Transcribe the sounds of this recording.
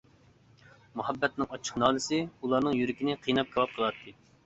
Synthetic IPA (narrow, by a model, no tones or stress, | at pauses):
muhɛbːɛt̪̚nɨŋɑt͡ʃʰːə̥qnɑːnɨsɨulˠɑɾnɨŋjyɾɪkʲinɪqʰijnɑp̚kʰʲewɑp̚qʰəlˠɑt̪ʰːɨ